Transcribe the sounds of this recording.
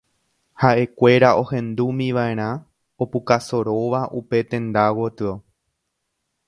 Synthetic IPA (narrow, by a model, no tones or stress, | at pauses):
haʔe̞kʷe̞ɾaʔo̞hẽ̞nd̪umĩʋaẽ̞ɾ̃ã | opukaso̞ɾo̞ʋaʔupe̞t̪ẽ̞nd̪awot̪ɨo